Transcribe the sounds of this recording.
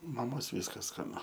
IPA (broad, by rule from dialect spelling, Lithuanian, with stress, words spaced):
mɐˈmoːs ˈʋʲiːskɐs skɐˈnʊ